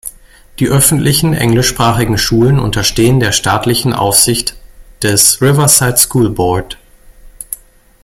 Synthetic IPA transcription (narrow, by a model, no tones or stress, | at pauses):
d̥iːʔœfn̩tlɪçn̩ʔɛ̰ŋlɪʃpʁ̥aːχɪɡŋ̩ʃuːlənʊ̰ntɐʃteːəndeːɐʃtaːtlɪçn̩ʔa̰ʊfz̥ɪçtd̥ɛsʁɪvɐsaɪtskʰuːlbɔɐt